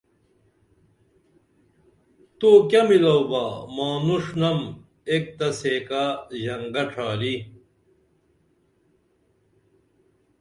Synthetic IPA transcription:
t̪oːkɐmilɐwbamaːnuʂnɐm | eːk̚t̪ɐseːkaʑɐŋɡɐʈ͡ʂʰaːli

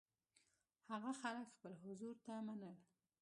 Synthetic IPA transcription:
haɣaxaləkxpəlɦʊzuɾt̪amanəl

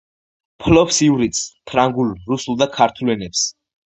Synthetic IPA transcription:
pʰlɔpsivɾit̪spʰɾaŋɡulɾusulˠd̪akʰaɾt̪ʰulɛnɛps

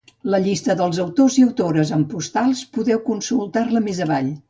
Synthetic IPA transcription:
ləʎist̪əðəlˠzəwt̪oziəwt̪oɾəzəmpust̪alˠspuðɛwkunsulˠt̪arləmezəβaʎ

